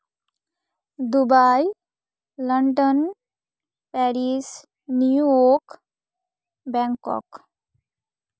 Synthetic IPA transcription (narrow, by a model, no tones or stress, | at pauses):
d̪ubaj | ləɳɖɔn | pɛɾis | niuɔk | bɛŋkɔ̰k